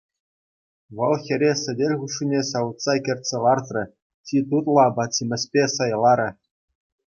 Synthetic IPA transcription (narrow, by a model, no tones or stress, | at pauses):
ʋɤ̆lˠxʲɘ̆ɾʲesʲɘ̆dʲelʲʁuʂːinʲesɑʋɤt̪sɑkʲɘ̆rʲtʲsʲelˠɑrt̪rɘ̆ | tʲit̪̬ut̪lˠɑbɑtʲimʲɘ̆sʲpʲesɑjlˠɑɾʲɘ̆